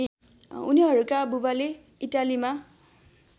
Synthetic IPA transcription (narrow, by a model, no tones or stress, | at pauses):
uniɦʌɾukabubale | iʈalima